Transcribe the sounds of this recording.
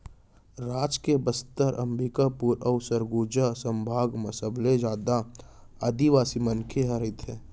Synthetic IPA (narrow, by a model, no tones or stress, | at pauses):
ɾaːd͡ʒkebəst̪əɾʔə̰mbikapuːɾɔʊsəɾɡuːd͡ʒasə̃mbʱaːɡməsəbled͡ʒaːd̪aad̪iʋaːsimənkʰeɦəɾɪt̪ʰɛː